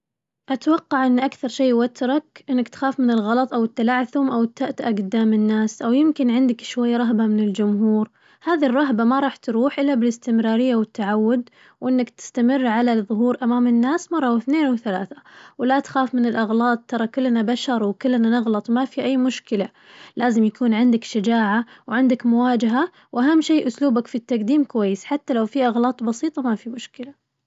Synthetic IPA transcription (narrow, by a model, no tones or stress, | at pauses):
ʔat̪wɑqːɑʕʔɪnːʔakθɑɾˤʃeːwat̪ɾˤɑkʔɪnːakt̪xaːfmɪnɪlɣɑlɑt̪ˤʔawɪt̪ːalaːʕθʊmʔawɪt̪ːaʔt̪ʔaɡʊd̪aːmɪnːaːsʔawjɪmkɪnʕɪnd̪ɪkʃwajːaɾˤɑɦbamɪnɪld͡ʒʊmɦuːɾ | haːðirˤːɑɦbamaɾˤɑːħt̪ɾuːħʔɪlːabɪlɪst̪ɪmɾɑːɾɪjːawɪt̪ːaʕawːʊd̪ | wʔɪnːakt̪ɪ̥st̪amɪrːʕalaðˤʊɦuːɾʔamaːmɪnːaːsmɑrˤːɑθneːnwθalaːθawlat̪xaːfmɪnɪlʔɑɣlɑːt̪̚ˤt̪ːɑɾˤɑkʊlːnabaʃɑɾˤwkɪlːnanɪɣlɑt̪ˤwmafiʔajːmʊʃkɪla | laːzɪmjakʰuːnʕɪnd̪akʃad͡ʒaːʕawʕɪnd̪akmʊwaːd͡ʒaɦa | wʔaɦamːʃiːʔʊsluːbakfit̪ːaqd̪iːmkʊwajːɪsħat̪ːalawfiʔɑɣlɑːt̪ˤbɑsiːt̪ˤɑmafimʊʃkɪla